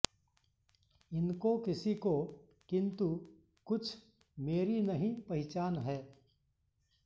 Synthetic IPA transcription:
ɪnkokɪsiko | kɪ̃nt̪u | kʊt͡ʃʰ | meːɾinɐɦĩpɐɦɪt͡ʃaːnɦɛː

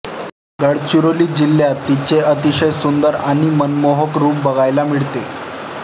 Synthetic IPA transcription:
ɡəɽt͡ɕuɾoliːd͡ʑilːjat̪ːit͡ɕeət̪iɕəjsund̪əɾaɽ̃imənmoɦəkɾuːp̚bəɡajlamiɭt̪e

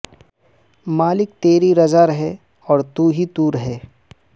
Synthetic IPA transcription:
maːlɪk̚t̪eːɾiɾɐd͡ʒaɾɐɦɛ | ɔːɾt̪uːɦit̪uːɾɦɛː

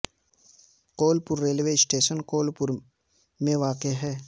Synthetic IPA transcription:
qoːlpʊɾːeːlʋeɪsʈeːʃənqoːlpʊɾ | mẽʋaːqeɦɛː

